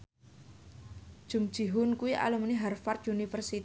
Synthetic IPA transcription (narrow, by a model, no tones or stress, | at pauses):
ʒ̥umd̥ʒ̥i̤ɦʊnkuwiʔa̰lumniɦarfart̪unifərsit̪